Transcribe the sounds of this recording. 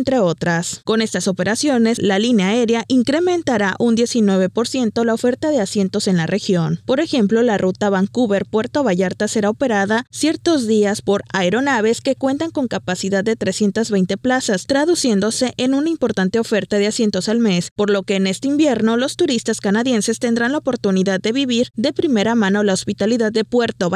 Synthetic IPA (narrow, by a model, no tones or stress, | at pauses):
nt̪ɾeo̞t̪ɾasko̞ne̞st̪aso̞pe̞ɾasjo̞ne̞slalineae̞ɾjaʔiŋkɾe̞mẽ̞nt̪aɾaʔund̪je̞sinwe̞βe̞po̞ɾsje̞nt̪o̞laofe̞ɾt̪aðe̞asje̞nt̪o̞se̞nlarʔe̞xjo̞npo̞ɾe̞xe̞mplo̞larut̪aβaŋkuβe̞ɾpweɾt̪oβaʝaɾt̪ase̞ɾao̞pe̞ɾaðasje̞ɾt̪o̞zðiaspo̞ɾaeɾo̞naβe̞ske̞kwe̞nt̪aŋko̞ŋkapasiðaððːe̞t̪ɾe̞sje̞nt̪azβe̞jnt̪e̞plasast̪ɾaðusje̞nd̪o̞se̞ʔenunaimpo̞ɾt̪ant̪e̞ofe̞ɾt̪aðeasje̞nt̪o̞salme̞spo̞ɾlo̞ke̞ːne̞st̪eimbje̞ɾno̞lo̞st̪uɾist̪askanaðje̞nse̞st̪e̞nd̪ɾanlaopo̞ɾt̪uniðad̪d̪ːe̞βiβiɾðe̞pɾime̞ɾamãno̞laospit̪aliðaðːe̞pwe̞ɾt̪o